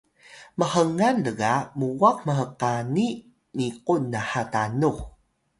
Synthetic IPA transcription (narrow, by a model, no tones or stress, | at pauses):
məhəŋanləɡamuwak̚məɦəqani | niqunːahatanu